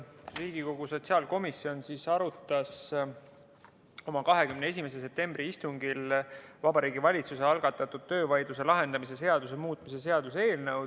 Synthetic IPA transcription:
riːɡ̥iko̞ɡ̥uso̞t̪ʲsiɑːlko̞misːio̞nsisɑɾut̪ːˑɑs | o̞mɑkɑɦe̞kymneesime̞s̬e̞se̞p̚t̪e̞mbriist̪uŋɡilvɑbɑɾiːɡivɑlʲit̪suse̞ɑlɡ̥ɑt̪ːˑɑt̪ːˑud̪̥̚t̪ːøːvɑjd̪̥luse̞lɑɦe̞nd̪ɑmise̞s̬e̞ɑd̪̥us̬emuːt̪ˑmis̬e̞s̬e̞ɑd̪̥use̞ːlnəw

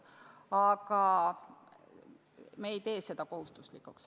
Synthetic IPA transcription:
ɑɡ̥ɑ | meːjt̪e̞ːse̞d̪̥ɑko̞hust̪uslikːˑuks

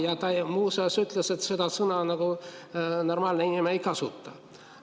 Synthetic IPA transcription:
jɑt̪ɑmuːsesyt̪ˑlese̞t̪sed̪̥ɑsɤnɑnɑɡ̥u | no̞rmɑːlneŋimejkɑsut̪ːɑ

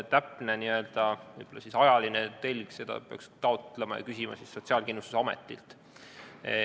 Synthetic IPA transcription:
t̪æpːˑneniø̞ld̪̥ɑvɤjb̥olːɑsisɑjɑlinet̪e̞lʲɡ̥se̞d̪ɑ̰pe̞ɑ̰kst̪ɑot̪ˑlemɑjɑ̰kysimɑ̰sisːo̞tsiɑːlkinːust̪usɑmḛt̪ːˑḭlt̪

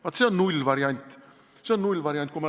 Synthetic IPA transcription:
vɑt̪seonnulʲːvɑɾiɑnʲt̪ʲː | seonnulʲːvɑɾjɑnʲt̪̚kumɑ

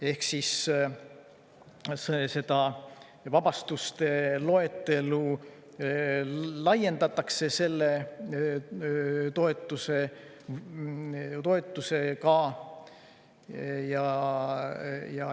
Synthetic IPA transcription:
e̞hksis | sese̞d̪̥ɑ | vɑb̥ɑst̪ust̪e̞lo̞et̪ːˑe̞lu | lɑje̞nd̪̥ɑt̪ːˑɑkse̞se̞lːe̞ | t̪o̞e̞t̪ːˑuse̞ | t̪o̞e̞t̪ːˑuse̞kɑ | jɑ | jɑ

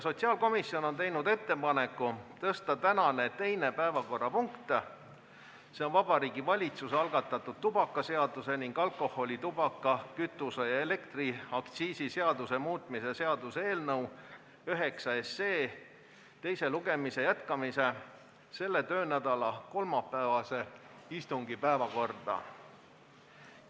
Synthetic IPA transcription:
so̞t̪ʲsiɑːlko̞misio̞no̞nt̪e̞jnud̪e̞t̪ːe̞pɑne̞kːˑut̪ɤst̪ɑt̪ænɑne̞t̪e̞jne̞pæevɑko̞rːɑpuŋkt̪ | se̞o̞nvɑb̥ɑɾiːɡ̥ivɑlʲit̪suseɑlɡ̥ɑt̪ːˑɑt̪ːˑud̪̥̚t̪ub̥ɑkːˑɑse̞ɑd̪use̞niŋɡ̥ɑlkˑo̞ho̞lʲit̪ub̥ɑkːˑɑkyt̪ːˑusejɑe̞le̞kt̪riɑkt̪siːsise̞ɑd̪use̞muːt̪ˑmise̞se̞ɑd̪usee̞ːlnɤw | øɦe̞ksɑe̞sːe̞ː | t̪e̞jse̞luɡ̥e̞mise̞jæt̪kɑmise̞ | se̞lːe̞t̪ø̞ːnæd̪̥ɑlɑko̞lmɑpːæːvɑse̞ | ist̪uŋɡipæevɑko̞rd̪̥ɑ̰

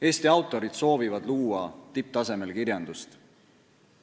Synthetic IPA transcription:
e̞ːst̪iɑwt̪ːˑo̞ɾid̪̥so̞ːvivɑd̪luːwɑt̪ip̚t̪ɑse̞me̞lkirjɑnd̪̥ust̪

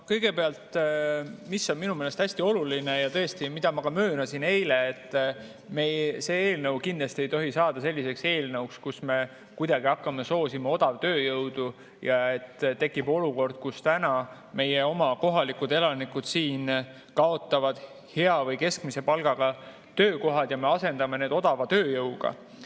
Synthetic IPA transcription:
kɤjɡ̥e̞peɑlt̪ | misːo̞nminumele̞st̪æsʲt̪io̞lulinejɑt̪ɤest̪imid̪̥ɑmɑkɑmø̞ːnɑsine̞jle̞ːt̪ː | mejse̞ːeːlnɤuwkind̪lɑst̪ie̞jt̪o̞ɦisɑːd̪ɑse̞lʲːise̞kse̞ːlnɤukskusme̞ | kujd̪ɑɡ̥iɑkːˑɑmeso̞ːsimeo̞d̪̥ɑvt̪ø̞ːjɤwd̪̥u | jɑe̞t̪ːt̪e̞kːˑib̥o̞luko̞rd̪̥̚kust̪ænɑ | me̞je̞o̞mɑko̞ɦɑlikud̪e̞lɑnikud̪̥siːn | kɑo̞t̪ːˑɑvɑd̪̥ | he̞ɑvɤjke̞skmise̞pɑlɡ̥ɑɡ̥ɑ | t̪øːko̞ɦɑd̪̥jɑme̞ɑse̞nd̪̥ɑme̞ne̞ːd̪̥o̞d̪̥ɑvɑt̪øːjɤwɡ̥ɑ̰

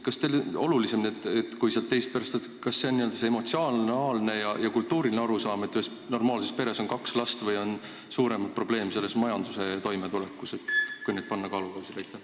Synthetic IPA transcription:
kɑst̪elo̞lulise̞mniet̪ːet̪kujseɑlt̪ːe̞jst̪̚peɾɑst̪et̪kɑsːe̞o̞nːiøld̪ɑseemo̞t̪siɑːlnɑːlne̞jɑjɑkult̪ːuːɾilineɑɾusɑːme̞t̪ːyhes | no̞rmɑːlse̞spe̞ɾe̞so̞nkɑkslɑst̪vɤjo̞n | suːɾe̞mɑt̪̚pro̞ble̞ːmse̞lːe̞smɑjɑnd̪̥use̞t̪o̞jmet̪ule̞kːˑuse̞t̪kujned̪̥̚pɑnːɑkɑːlukɑwsilɑjt̪ːˑe

